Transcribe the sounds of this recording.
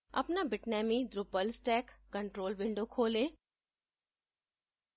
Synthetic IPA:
ɐ̰pnabɪʈnɛːmiɖ̪ɾupəlsʈɛːkːɐ̃ɳʈɾoːlʋɪ̃ɳɖokʰoːlẽː

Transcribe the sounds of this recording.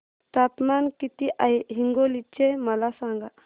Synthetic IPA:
t̪at̪mankit̪iʔaeɦiŋɡolit͡ʃːemɐlasaŋɡa

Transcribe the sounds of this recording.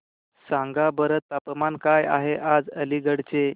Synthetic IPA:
sãŋɡabəɾət̪ːapmankaja̰ɦeʔad͡zəliɡəɽt͡se

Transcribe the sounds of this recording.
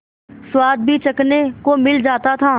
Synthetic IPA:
swaːd̪̚bʱit͡ʃɐknekomɪld͡ʒaːt̪at̪ʰaː

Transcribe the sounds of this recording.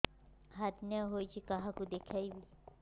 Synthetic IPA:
ɦat̪naɦoːit͡ʃʰikɐɦãkud̪ekʰaibi

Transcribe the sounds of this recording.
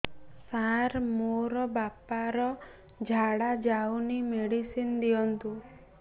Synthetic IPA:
saɾmoɾɔbapaɾɔ | d͡ʒʱaɽad͡ʒawnimeɽisind̪ijɔnt̪u

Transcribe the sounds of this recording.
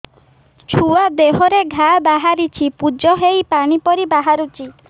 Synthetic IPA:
t͡ʃʰuad̪eɦɔɾeɡʱabaɦaɾit͡ʃʰipud͡ʒɔɦejpaɽ̃ipɔɾibaɦaɾut͡ʃʰi

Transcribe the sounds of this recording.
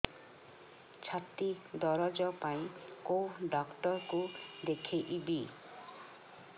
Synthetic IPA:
t͡ʃʰat̪id̪ɔɾɔd͡ʒɔpaĩkoɖɔkʈɔɾkud̪ekʰeʔibi

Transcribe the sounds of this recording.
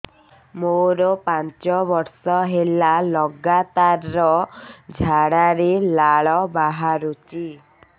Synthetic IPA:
moɾɔpant͡ʃɔbɔɾsɔɦelalɔɡat̪aɾːɔd͡ʒʱaɽaɾelaɭɔbaɦaɾut͡ʃi

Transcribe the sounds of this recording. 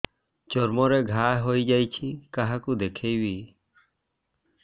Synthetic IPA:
t͡ʃɔɾmɔɾeɡʱaɦojd͡ʒajt͡ʃʰikaɦakud̪ekʰejwi

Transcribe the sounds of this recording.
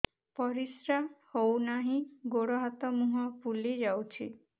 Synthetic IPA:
pɔɾisɾahownaɦĩɡoɽɔɦat̪ɔmuɦɔpulid͡ʒawt͡ʃʰi

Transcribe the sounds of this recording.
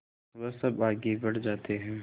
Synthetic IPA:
ʋɐsɐbaːɡebɐɽd͡ʒaːt̪eɦɛ̃ː

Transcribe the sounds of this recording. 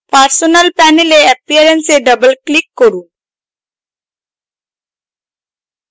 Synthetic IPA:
paɾsonɐlpɛneleɐpiɐɾenseɖəbəlklikːoɾu

